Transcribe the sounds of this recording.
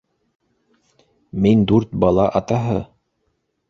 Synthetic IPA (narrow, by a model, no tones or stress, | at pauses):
mind̪ʉɾt̪̚bɑlˠɑʔɑt̪ɑɦɤ